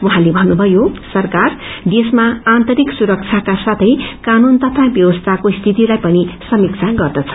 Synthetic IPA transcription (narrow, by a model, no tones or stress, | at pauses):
wuɦãlebʱʌnːubʱʌjosʌrkard̪esmaant̪ʌɾiksuɾʌk̚t͡sʰakasat̪ʰʌjkanunt̪ʌt̪ʰabjʌwʌst̪ʰakost̪ʰit̪ilajpʌnisʌmikt͡sʰaɡʌrd̪ʌt͡sʰʌ̥